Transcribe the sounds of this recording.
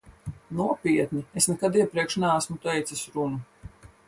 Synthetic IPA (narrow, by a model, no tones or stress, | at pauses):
nuɔpʲiɛt̪ʲnʲiesnɛkad̪iɛpɾiɛkʃnɛːsmut̪ɛjt̪sasɾunu